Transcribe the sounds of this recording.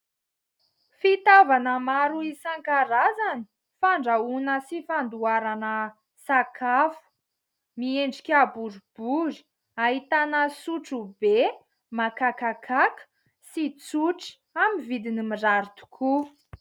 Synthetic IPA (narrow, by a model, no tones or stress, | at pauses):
fit̪avanəmaɾuisaŋkaɾazani̥ | faɳɖ͡ʐaunəsifand̪uaɾanə | sakʰafu̥ | mieɳɖ͡ʐikʲabuɾub̥uɾi̥ | aɦit̪anəsuʈ͡ʂube | makakakʰakə̥ | sit͡suʈ͡ʂi̥ | amivid̪inimiraɾt̪u̥kʰu